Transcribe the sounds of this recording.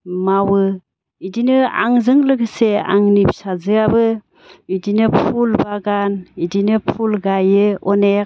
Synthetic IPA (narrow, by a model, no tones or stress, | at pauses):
mawɯ | idinɯa̰ŋzɯŋlɯɡɯsea̰ŋnipsazɯabɯ | idinɯpʰulbaɡanidinɯpʰulɡajɯɔne